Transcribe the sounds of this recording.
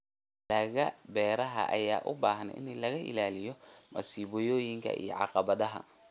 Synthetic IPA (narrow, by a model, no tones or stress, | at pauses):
lɐɣɐbɛːɾɐɦɐ̰ʔɐjaːʔʊbaːɦɐn̰ɪ̰nlɐɣɐʔɪ̰laːlɪjɔmɐsiːβɔjɔːjɪŋkʰɐ̰ʔḭjɔ̰ʕɑ̰qɑβɐðɐɦɐ̰